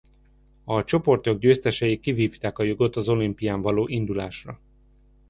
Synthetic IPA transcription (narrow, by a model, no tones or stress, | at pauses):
ɒt͡ʃo̞po̞rt̪o̞ɡɟøːst̪ɛʃɛjikːiviːft̪aːkɒjo̞ɡo̞t̪ɒzo̞limpijaːɱvɒloːʔind̪ulaːʃrɒ